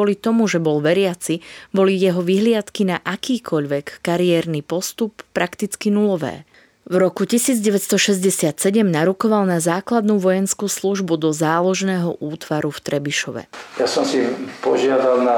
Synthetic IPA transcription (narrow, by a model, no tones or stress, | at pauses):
ɔlit̪ɔmuʒɛbɔlʋɛɾɪat͡sibɔlijɛɦɔʋiɦlɪat̪kinaʔakiːkʰɔʎʋɛkːaɾiɛːɾnipɔst̪upːɾakt̪it͡skinulɔʋɛ̰ː | vɾɔkucisiːd͡zɟɛʋɛt̪st̪ɔʃɛzɟɛsɪat̪sɛɟɛmnaɾukɔʋalnazaːklad̪nuːʋɔjɛnskuːsluʒbud̪ɔzaːlɔʒnɛːɦɔʔuːt̪ʋaɾuft̪ɾɛbiʃɔʋɛ̰jasɔmsipɔʒɪad̪alna